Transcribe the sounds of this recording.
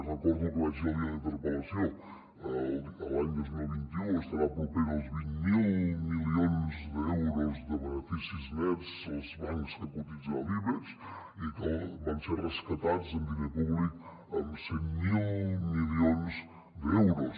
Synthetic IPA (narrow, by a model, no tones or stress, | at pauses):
rəkɔɾðukəazaviɐint̪əɾpəlɐsjo | əlaɲd̪ojzmilˠβint̪iuəst̪ɐɾapupinozβiɲmilˠmilˠionzd̪əɛwɾozd̪əβənəfisizneɾsozβaɲskəkut̪it̪zaliβəɾs | ikəβanseɾrəskɐt̪ad̪zəmb̪inepuβlik | əmsemmilˠmilionz | d̪əɛwɾos